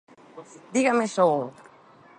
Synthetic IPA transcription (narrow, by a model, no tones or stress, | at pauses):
d̪iɣameso